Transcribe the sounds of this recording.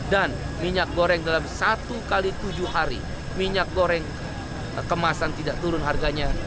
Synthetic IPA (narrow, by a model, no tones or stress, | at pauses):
dan | miɲak̚ɡoɾɛŋdalamsat̪ukalit̪ud͡ʒʊaɾḭ | miɲak̚ɡoɾɛŋ | kəmasant̪idaʔt̪uɾʊnɦarɡaɲa